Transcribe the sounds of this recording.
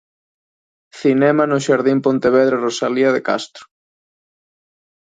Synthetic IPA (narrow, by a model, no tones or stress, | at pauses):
θinɛmanʊʃaɾðimpont̪eβeð̞ɾerosaliaðeka̰st̪ɾʊ̥